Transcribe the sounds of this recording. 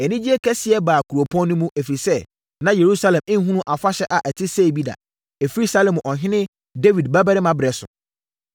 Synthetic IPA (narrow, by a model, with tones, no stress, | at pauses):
ɛ˨nĩ˦d͡ʑi˦ɛ˦kʰɛ˦sɪ˨ɛ˦baː˨kʰu˨ɾo˨pʰɔ̃˦n˦nũ˦mũ˦ʔæ˨fi˨sɛ˦ | nã˦je˨ɾu˦sa˦lɛ̃˨mɪ̃˦ɦũ˦ũ˦ʔa˨fa˦ɕɛ˦ʔa˨ʔæ˨tʰɪ˦se˦˨bi˦da̰˨ | e˨fi˦ɾi˦sa˦lɛ̃˨m˨ʔɔ˨ɦɪ̃˦nɪ̃˦ | de˦vi˨dba˦bæ˦ɾɪ˦mã˨bɪ˨ɾɛ˨sʊ̰˨